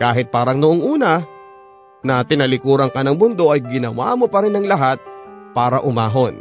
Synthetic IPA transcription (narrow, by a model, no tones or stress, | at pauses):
kaːɦɪt̪̚paːɾɐŋnʊʔoŋʔuːnɐ | nɐt̪ɪnɐlɪkuːɾɐŋkɐnɐŋbʊnd̪o̞ʔɐjɡɪnɐwa̰ːmopɐɾɪnɐŋlɐɦat̪̚paːɾɐʔʊmaːɦo̞n